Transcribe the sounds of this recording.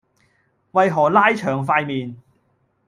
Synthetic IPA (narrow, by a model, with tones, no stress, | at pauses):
wɐ˨jɦɔː˨˩laː˥jt͡ʃʰœː˨˩ŋfaː˧jmiː˨n